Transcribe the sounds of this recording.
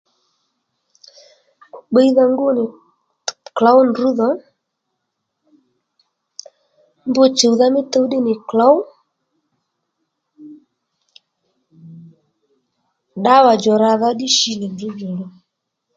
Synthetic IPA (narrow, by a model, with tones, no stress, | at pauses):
ku̥˨ɓɛ˦i˦ða˦ŋɡu˦n˨ | kla˨˦u˦ndu˦ðɔ˨˦ | mbu˦t͡ʃɛ˨u˨ða˦mi˦tɛ˦u˦ɗi˦nɪ˨kla˦w | ɗa˦wa˨d͡ʒɔ˨ɾa˨ða˦ɗi˦ʃi˨ni˨ndu˦d͡ʒɔ˨lɔ˦